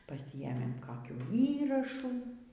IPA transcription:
pɐˈsʲɪeːmʲeːm ˈkɑːkʲuː ˈiːrɐʃuː

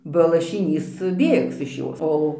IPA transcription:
bɐ lˠɐʃʲɪˈnʲiːs ˈbʲeːks ɪʃ ˈjoːs ˈoː

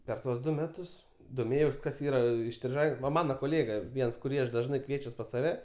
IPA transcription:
pʲɛr ˈtuɔs ˈdʊ ˈmʲæːtʊs doːˈmʲeːjɛʊs ˈkɐs ˈiːrɐ ɪsʲtʲrʲɪˈʒɐɪ ˈʋɐ ˈmɑːnoː koːˈlʲeːɡɐ ˈʋʲiɛns kʊˈrʲiː ˈɐʃ ˈdɑːʒnɐɪ ˈkʋʲiɛt͡ʃʲuɔs pɐs sɐˈʋʲɛ

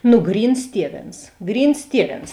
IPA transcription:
nʊ ˈɡrʲiːns ˈtʲiɛˌʋʲeːns ˈɡrʲiːns ˈtʲiɛˌʋʲeːns

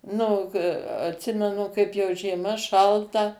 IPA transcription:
ˈnʊ oː k ɐtʲˈsʲɪmʲɛnʊ ˈkɐɪp ˈjɛʊ ʒʲiɛˈmɐ ˈʃɐlˠtɐ

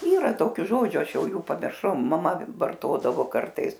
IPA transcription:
ˈiːrɐ ˈtoːkʲʊ ˈʒoːd͡ʒʲʊ ˈɐʃ ˈjɛʊ ˈjuː pɐmʲɪrˈʃɐʊ mɐˈmɐ ʋɐrˈtoːdɐʋoː ˈkɐrtɐɪs

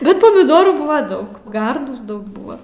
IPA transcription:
ˈbʲɛt pɐmʲɪˈdoːruː ˈbʊʋɐ ˈdɐʊk ˈɡɐrduːs ˈdɐʊk ˈbʊɐ

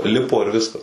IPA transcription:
ˈlʲɪpoː ɪr ˈʋʲɪskɐs

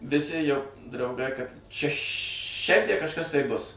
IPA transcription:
ʋʲɪˈsʲɪ jɛʊ drɐʊˈɡɐɪ kɐt ʃʲɛ ˈʃʲɛnʲdʲiɛ kɐʃˈkɐs tɐɪ bʊs

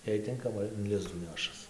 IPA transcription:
jɛɪ ˈtʲɪŋkɐmɐ ɪn ˈlʲɪzduː ˈnʲæːʃɐs

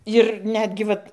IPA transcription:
ɪr ˈnʲæːdʲɡʲɪ ʋɐt

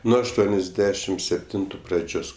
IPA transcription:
ˈnuɔ ɐʃˈtuɔnʲɛzʲˌdʲæːʃʲɪm sʲɛpʲˈtʲɪntʊ prɐˈd͡ʒʲoːs

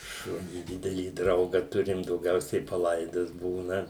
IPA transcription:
ˈʃʊnʲiː ˈdʲɪdʲɛlʲiː ˈdrɐʊɡɐ ˈtʊrʲɪm dɐʊˈɡʲɛʊsʲɛɪ pɐˈlˠɐɪdɐs ˈbuːnɐ

